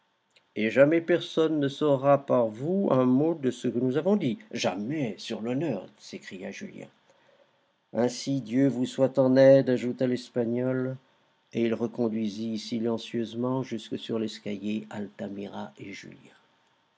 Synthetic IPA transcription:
eʒamɛpɛʁsɔnːəsɔʁapaʁvuɛ̃mod̪əsəkənuzavɔ̃d̪iʒa̰mɛsyʁlɔnœːʁsekχijaʒyljɛ̰̃ | ɛ̃sid̪jøvuswat̪ɑ̃nɛd̪aʒut̪alɛspaɲɔl | eilʁəkɔ̃d̪ɥizisilɑ̃sjøzmɑ̃ʒyskəsyʁlɛskʲaljealt̪amiʁaeʒy̰ljɛ̃

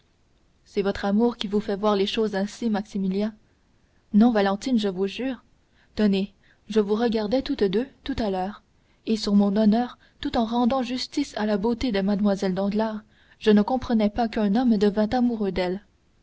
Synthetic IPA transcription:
sɛvɔt̪χamuːʁkʲivufɛvwaʁleʃoːzɛ̃simaksimiljã | nɔ̃valɑ̃t̪inʒəvuʒyːʁ | t̪ɔne | ʒəvuʁəɡaʁd̪ɛt̪ut̪d̪øt̪ut̪alœːʁ | esyʁmɔ̃nɔnœːʁ | t̪ut̪ɑ̃ʁɑ̃d̪ɑ̃ʒyst̪isalabot̪ed̪əmad̪mwazɛld̪ɑ̃d̪laːʁ | ʒ̥ənəkɔ̃pχənɛpakœ̃nɔmd̪əvɛ̃t̪amuʁød̪ɛl

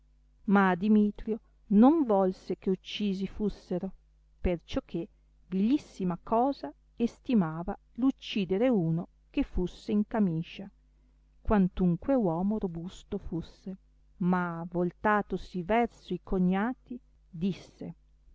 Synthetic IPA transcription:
mad̪imiːt̪ɾjo | noɱvɔlsekeut͡ʃːiːzifusːeɾo | pert͡ʃokʰːe | vilisːimakɔːza | est̪imaːva | lut͡ʃːiːd̪eɾeuːno | kefːusːeiŋkamiːʃa | kwant̪uŋkwewɔːmoɾobust̪ofusːe | mavolt̪aːt̪osivɛrsoikoɲːaːt̪i | d̪isːe

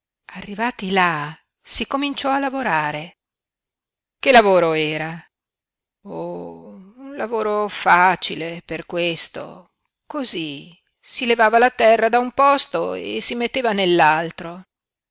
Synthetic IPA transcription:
arːivaːt̪ila | sikomint͡ʃɔalavoɾaːɾe | kelavoːɾoɛːɾa | o | unlavoːɾofat͡ʃileperkwest̪o̰ | kozi | silevaːvalat̪ɛrːad̪aumpɔst̪oḛsimet̪ːeːvanelːalt̪ɾo

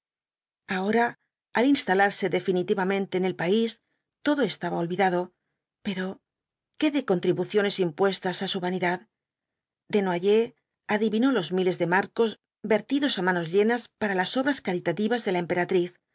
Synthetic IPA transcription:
ao̞ɾaː | linst̪alaɾse̞ðe̞finit̪iβamẽ̞nt̪eːne̞lpais | t̪o̞ðo̞e̞st̪aβaolβiðaðo̞ | pe̞ɾo̞ | ke̞ðeko̞nt̪ɾiβuθjo̞ne̞simpwe̞st̪asasuβaniðað | d̪e̞nwaʝe̞ | aðiβino̞lo̞zmile̞zðe̞maɾko̞z | be̞ɾt̪iðo̞samano̞zʎe̞naspaɾalaso̞βɾaskaɾit̪at̪iβazðe̞laempe̞ɾat̪ɾiθ

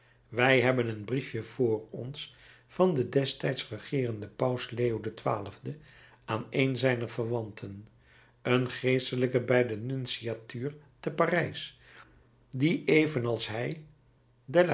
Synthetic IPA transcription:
ʋɛjɦɛbənənbrifjəv̥ʊːrɔns | fɑndədɛstɛjtsrəχɪːrəndəpɑwsleːodətʋa̰ːləvdə | aːnejnzɛjnəɹvərʋɑntʰən | ənχejstələkəbɛjdənynsiatyːɹ | təparɛjs | diʔejvənɑlˠsɦɛj | dɛl

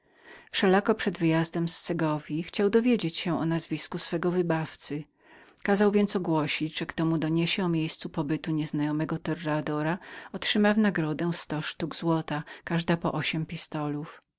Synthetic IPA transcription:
fʂɛlakɔpʂɛd̪vɘjazd̪ɛmsːɛɡɔvʲjixt͡ɕawd̪ɔvʲjed͡ʑet͡ɕɕɛ̃ʔɔnazvʲiskusfɛɡɔvɘbaft̪sɘ | kazawvʲjɛnt̪sɔɡwɔɕid͡ʑʐ̥ɛkt̪ɔmud̪ɔɲeɕɛɔmʲjejst̪supɔbɘt̪uɲɛznajɔmɛɡɔt̪ɛrːad̪ɔɾaɔtʂɘmawnaɡɾɔd̪ɛst̪ɔʂt̪uɡzwɔt̪akaʐd̪apɔ̰ʔɔɕɛmpʲist̪ɔluf

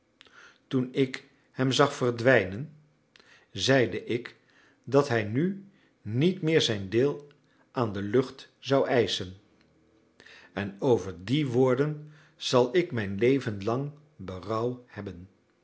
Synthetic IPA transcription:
tunɪk | hɛmzɑχfərdʋɛjnən | zɛjdəʔɪk | dɑtɦɛjny | nitmɪːɹzɛjndɪːlˠ | ʔaːndəlɵχtz̥ɑwʔɛjsən | ɛnowvəɹdiʋʊːɹdən | z̥ɑlˠɪkmɛjnlejvənlɑŋ | bərɑwhɛbən

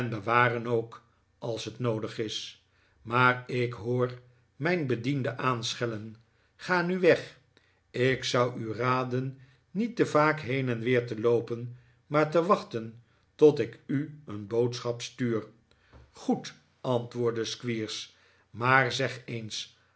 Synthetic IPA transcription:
ɛnbəʋaːrənowk | ɑlˠsɦətnowdəχɪs | maːrɪkɦʊːɹ | mɛjnbədindəʔaːnsχɛlən | χaːnyʋɛχ | ɪksʌwyraːdənː | itəvaːkɦejnɛnʋɪːɹtəlowpən | maːɹtəʋɑχtən | tɔtɪkyənbowtsχɑpstyːr | χut | ɑntʋʊːɹdəskʋiːɹs | maːrzɛχens

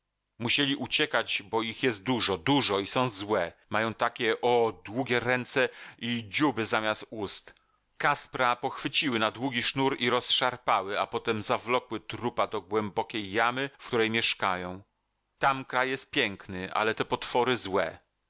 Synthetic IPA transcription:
muɕelʲiʔut͡ɕɛkad͡ʑbɔixjɛst̪̚d̪uʐɔd̪uʐɔisɔ̃w̃zwɛmajɔ̃w̃t̪akʲɛʔɔd̪wuɡʲɛɾɛnt̪sɛid͡ʑubɘzamʲjast̪̚ust̪ | kaspɾapɔxfɘt͡ɕiwɘnad̪wuɡʲiʂnuɾiɾɔsʂaɾpawɘapɔt̪ɛmzavlɔkwɘt̪ɾupad̪ɔɡwɛmbɔkʲejːamɘfkt̪uɾɛjmʲjɛʂkajɔ̃w̃ | t̪amkɾajːjɛst̪̚pʲjɛŋknɘʔa̰lɛt̪ɛpɔt̪fɔɾɘzwɛ̰

